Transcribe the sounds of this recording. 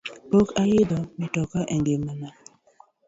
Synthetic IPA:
pokajɪd̪ɔmɛtɔkaʔɛŋɡemana

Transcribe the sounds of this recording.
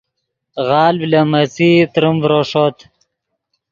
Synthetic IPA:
ɣɑːlblamat͡sit̪ɾumvɾoʂot̪

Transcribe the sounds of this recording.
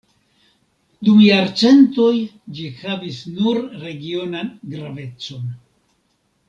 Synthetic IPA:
d̪umjaɾt͡se̞nto̞j | d͡ʒixavisnuɾɾe̞ɡio̞nanɡɾave̞t͡so̞n

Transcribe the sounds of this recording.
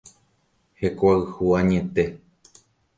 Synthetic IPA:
he̞kʷaɨhuãɲẽt̪e

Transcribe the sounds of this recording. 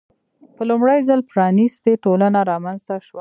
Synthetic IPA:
pəlʊmɽəjzəlpɾɑnist̪eʈolanaɾɑmanzt̪aʃwa

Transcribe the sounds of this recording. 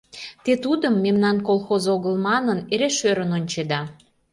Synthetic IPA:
t̪et̪ud̪əmːemnɑnkolˠxozoɣəlmɑnəneɾeʃøɾənonʲt͡ɕed̪ɑ

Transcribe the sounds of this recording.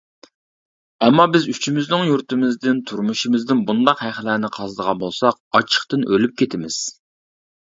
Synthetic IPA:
ɛmːɑbɪzyt͡ʃʰimɪznɪŋjuɾt̪ɪmɪzd̪ɪnt̪ʰuɾmuʃimɪzd̪ɪnbund̪ɑqhæχlænɪqʰɑzɨd̪əʁɑnbolˠsɑqɑt͡ʃʰə̥χt̪ɨnʔølyp̚kʲʰet̪ʰɪmɪz̥

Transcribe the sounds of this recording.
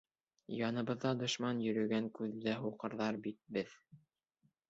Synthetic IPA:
jɑnɤ̆βɤ̆ðːɑd̪ŏʃmɑnjɵ̆ɾɵ̆ɡæŋkʉðːæɦuqɤ̆ɾðɑɾbit̪̚bɘð

